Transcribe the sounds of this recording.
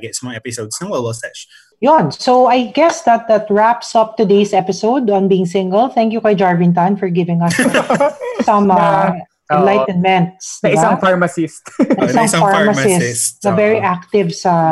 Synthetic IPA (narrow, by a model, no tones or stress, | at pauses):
ɡɛt̪smɔɛpɪsod̪snɐ̃ŋɡɛlɔsɛʃ | jɔnsoajɡɛsd̪ɐt̪̚d̪ɐt̪ɹæpsʌp̚t̪ʊd̪esɛpɪsoʊd̪ɔ̃nbiːɪ̃ŋsɪ̃ŋɡəlˠθɛ̃ŋkjukɐjd͡ʒaɹvɪ̃nt̪̬ɐ̃nfɔɹɡɪvɪ̃ŋɐs | sɐ̃m | ʔɛnlajt̪nmɛ̃nt̪saɐ̃mfaɹmɐsist̪ɐɪsɐ̃mfaɹmɐsɪstɐvɛɹiʔak̚t̪ɪvsɐ